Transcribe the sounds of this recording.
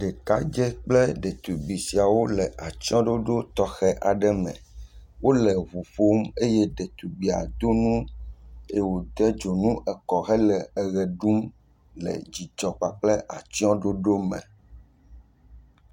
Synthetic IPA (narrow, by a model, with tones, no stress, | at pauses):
ɖɛ˨k̪a˦d͡ʒɛ˦k͡plɛ˦ɖɛ˨t̪u˨bi˨si˨a˨wo˦lɛ˨ʔa˨t͡ɕi˦ɔ̃˦ɖo˦ɖo˦t̪ɔ˦xɛ˦ʔa˨ɖɛ˦mɛ̰̃˨wo˦lɛ˨vu˨ɸo˦me˦jɛ˦ɖɛ˨t̪u˨bi˨a̰˨d̪o˦nũ˦ | e˦wo˨d̪ɛ˦d͡ʒo˨nũ˦ʔɛ˨kɔ˨xɛ˦lɛ˨ɛ˨ɣɛ˨ɖu˦m | lɛ̰˨d͡ʑi˨d͡ʒɔ˨k͡pa˨k͡plɛ˦ʔa˨t͡ʃi˦ɔ̃˦ɖo˦ɖo˦mɛ̰̃˨